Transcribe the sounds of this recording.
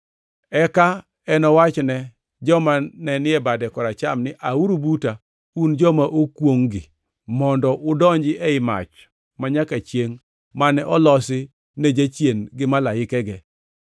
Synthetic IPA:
ɛka | ɛnɔwat͡ʃnɛ | d͡ʒɔmanɛnɪɛbadɛkɔɾat͡ʃamnɪʔauɾubuta | und͡ʒɔmaʔokwoŋɡɪ̰ | mɔndɔʔʊdɔɲd͡ʒɪʔɛɪma̰t͡ʃ | maɲakat͡ʃjeŋ | manɛʔɔlɔsɪ | ned͡ʒat͡ʃjenɡɪmalaɪkɛɡɛ

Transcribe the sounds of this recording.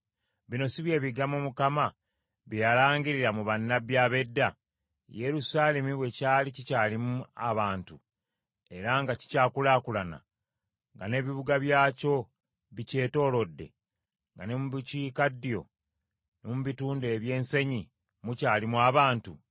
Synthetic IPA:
βino̞siβje̞ːβiɡamumukama | βijalaːɲɡiɾiɾamuβanːabjaːβe̞dːa | je̞ɾusaːle̞miβwe̞caːlicicaːlimua̰βaːntu | e̞ɾaŋɡaci̥caːkulaːkulana̰ | ŋɡa̰ne̞βiβuɡaβjaːco̞ | βice̞ːto̞ːlo̞dːe̞̰ | ŋɡanemuβiciːkadːijo̞̰ | nomuβituːnde̞ːβje̞ːnse̞ɲi | mucaːlimuaβaːntu

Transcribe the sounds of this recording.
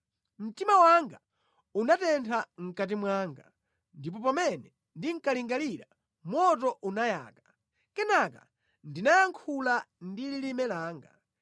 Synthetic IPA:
m̩timawaŋɡa | unatɛntʰaŋ̩kat̬imwaŋɡa | ndip̬ɔpamɛnɛ | ndiŋ̩kaliŋɡaliɾa | mwɔt̬ɔʔunaja̰ːkḁ | kɛnaka̰ | ndinajaŋkʰulandililimɛlaːŋɡa̰

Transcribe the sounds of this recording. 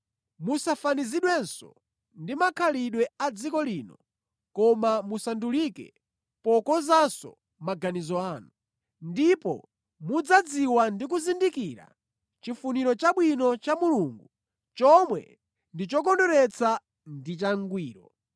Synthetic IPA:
musafaniziɗwɛnsɔ̰ | ndimakʰaliɗwɛad͡zikɔliːnɔ | kɔmamusandulikɛ̰ | pɔkɔzasɔ̰ | maɡanizɔaːnu | ndipɔ̰ | mud͡zad͡ziwandik̬uzindikiɾa̰ | t͡ʃifuniɾɔt͡ʃaɓwinɔt͡ʃamuluŋɡu | t͡ʃɔmwɛ̰ | ndit͡ʃɔk̬ɔndɔɾɛt͡sʰa | ndit͡ʃaŋɡwiːɾɔ

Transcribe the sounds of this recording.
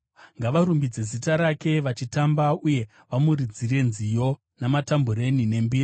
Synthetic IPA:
ŋɡaʋaɾumbid͡ze̞zitaɾake̞ʋat͡ʃitambauje̞ | ʋamurid͡zire̞nzijo̞ | namatambuɾe̞nine̞mbiːri

